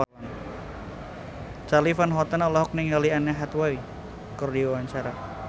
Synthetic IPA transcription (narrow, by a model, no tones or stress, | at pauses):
n | t͡ʃalifanɦɔt̪ənɔlɔɦɔk̚niŋalianɛɦat̪wai | kɔrdiawaɲt͡ʃaɾa